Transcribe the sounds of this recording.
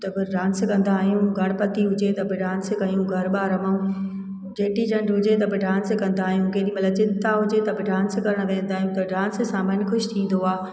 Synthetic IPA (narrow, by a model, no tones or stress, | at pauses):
t̪ɐbɪɖãːnskɐ̃nd̪aːɦijũɡʱɐɽ̃pɐt̪iɦʊd͡ʑet̪ɐbɪɖãːnsɪkɐjũɡʱɐɾɓaːɾɐmũ | d͡ʑeːʈid͡ʑɐɳɖɦʊd͡ʑet̪ɐbɪɖãːnsɪkɐ̃nd̪aːɦijũkeːɗĩmɐt̪lɐəb̚t͡ɕɪnt̪aɦʊd͡ʑet̪ɐbɪɖãːnskɐɾəɽ̃ʋẽːnd̪aːɦjũt̪ɐɖãːns̆sãmɐnxʊʃt̪ʰĩːn̆d̪oaː